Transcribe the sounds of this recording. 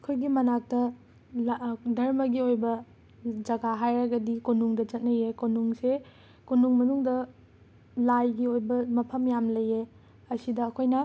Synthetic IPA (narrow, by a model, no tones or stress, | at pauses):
ɐkʰojɡimɐnak̚tɐ | dɐɾmɐɡiojbɐ | d͡ʒɐɡaɦajɾɐɡɐdikonuŋdɐd͡ʒɐt̚nɐjekonuŋse | kunuŋmɐnuŋdɐ | lajɡiojbɐmɐpʰɐmjamlɐjːe | ɐsidɐːkʰojnɐ